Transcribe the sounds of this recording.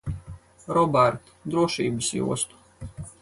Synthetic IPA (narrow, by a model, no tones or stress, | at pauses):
ɾɔbæɾt̪ | d̪ɾuɔʃḭːbɨsjṵɔst̪u̥